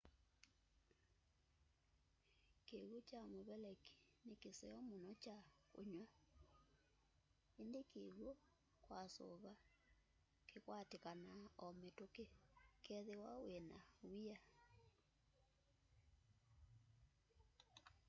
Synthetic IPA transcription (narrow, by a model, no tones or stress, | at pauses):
keɣot͡ʃamoβɛlɛki̥ | nekesɛjɔmonɔt͡ʃako̰ɲwa | endekʰeɣwo | kwaso̰βa | kekwatekanaɔmetokekɛðewawenawia